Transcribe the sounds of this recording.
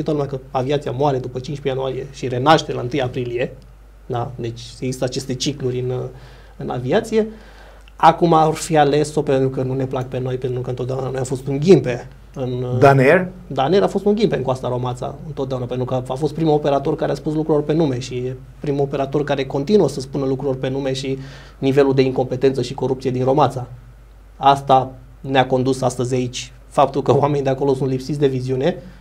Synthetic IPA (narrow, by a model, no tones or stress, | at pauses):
ʃit̪ot̪lumʲakəaviat̪sijamoaɾe̞d̪upət͡ʃint͡ʃpejanuaɾije̞ʃiɾe̞naʃt̪elaɨnt̪ɨjapɾilije̞ | d̪ad̪e̞t͡ʃʲeɡzist̪əat͡ʃe̞st̪e̞t͡ʃiklurʲɨn | ɨna̰viat̪sije̞ | akumarfiale̞so̞pent̪ɾukənune̞plakpe̞no̞jpent̪ɾukəɨnt̪ot̪deaunanojamfo̞st̪uŋɡʲimpe̞ | ɨnd̪aner | d̪aneɾafo̞st̪uŋɡʲimpeɨŋkoast̪aɾo̞mat̪sa̰ɨnt̪ot̪d̪eaunapent̪ɾukəafost̪̚pɾimuope̞ɾat̪o̞rkaɾeaspuslukɾulorpe̞nume̞ʃie | pɾimuo̞pe̞ɾat̪o̞rkaɾe̞ko̞nt̪inuəsəspunəlukɾulorpe̞nume̞ʃi | nive̞luld̪e̞iŋko̞mpe̞t̪e̞nt̪səʃiko̞ɾupt̪sijed̪inɾo̞mat̪sa | ast̪a | neako̞nd̪usast̪əzʲait͡ʃʲ | fap̚t̪ulkəwame̞nid̪eako̞lo̞sunt̪lipsit̪sʲd̪e̞viziune̞